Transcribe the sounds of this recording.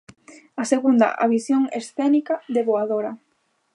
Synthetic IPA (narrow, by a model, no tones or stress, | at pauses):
aseɣund̪ɐ̰ʔa̰βisjoŋesθɛnikaðeβoaðoɾɐ